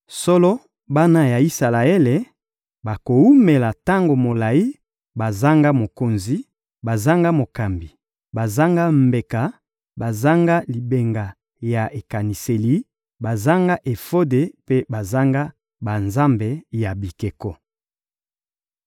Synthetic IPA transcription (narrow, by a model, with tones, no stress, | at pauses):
sɔ˦lɔ˦ | ba˦na˦ja˨i˦sa˨la˨e˦le˨ | ba˨ko˨u˦me˨la˨ta˦ŋɡo˨mo˨la˨i˦ | ba˨za˦ŋɡa˦mo˨ko˨nzi˦ | ba˨za˦ŋɡa˦mo˨ka˨mbi˨ | ba˨za˦ŋɡa˦mbe˨ka˨ | ba˨za˦ŋɡa˦li˨be˨ŋɡa˨ | ja˨ʔe˨ka˨ni˨se˨li˦ | ba˨za˦ŋɡa˦ʔe˨fo˦de˨pe˦ba˨za˦ŋɡa˦ | ba˨nza˦mbe˨ja˨bi˨ke˨kɔ˦